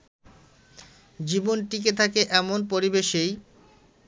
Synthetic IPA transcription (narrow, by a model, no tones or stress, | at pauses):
d͡ʑibonʈik̬et̪ʰakeʔɛmonpoɾibeʃej